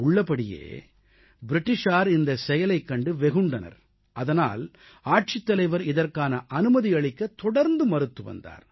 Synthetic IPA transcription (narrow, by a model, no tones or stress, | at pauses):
ʊɭːɐpːɐɽɪjḛː | bɪɾɪʈːɪʂaːɾɪnd̪ɐsɛjɐlɐɪkːɐɳɖɯʋɛɣɯɳɖɐnɐ̰ɾ | ʔɐðɐna̰ːl | aːʈ̚t͡ʃɪt̪ːɐlɐɪʋɐɾɪðɐrkaːnɐʔɐnɯmɐðiɐɭɪkːɐt̪ːɔɽɐɾnd̪ɯmɐɾɯt̪ːɯʋɐ̰nd̪a̰ːɾ